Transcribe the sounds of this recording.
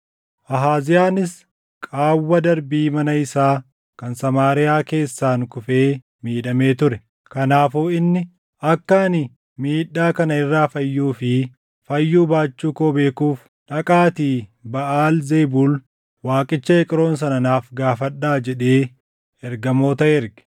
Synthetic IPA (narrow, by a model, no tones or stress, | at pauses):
ʔɐɦaːzɪjaːnɪs | kʼaːwːɐd̪ɐɾbiːmɐnɐɪsaː | kɐnsɐmaːɾɪjaːke̞ːsːaːnkʊfe̞ː | miːᶑɐme̞ːt̪ʊɾɛ | kɐnaːfuːɪnːɪ | ɐkːaːnɪ | miːᶑːaːkɐnɐɪrːaːfɐjːuːfɪ | fɐjːuːbaːt͡ʃːuːkoːbe̞ːkuːf | ᶑɐkʼaːt̪iːbɐʔaːlzeːbuːl | waːkʼɪt͡ʃːɐɛkʼɪɾo̞ːns̬ɐnɐnaːfɡaːfɐᶑːaːd͡ʒɛᶑe̞ː | ɛɾɡɐmo̞ːt̪ɐʔɛɾɡɛ̥